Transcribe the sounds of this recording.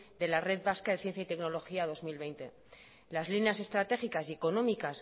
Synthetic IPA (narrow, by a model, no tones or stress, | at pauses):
d̪e̞lare̞ðβaskaðe̞θje̞n̟θjait̪e̞kno̞lo̞xiað̞o̞zmilβe̞jnt̪e̞ | lazlinease̞st̪ɾat̪e̞xikasie̞ko̞nõ̞mikas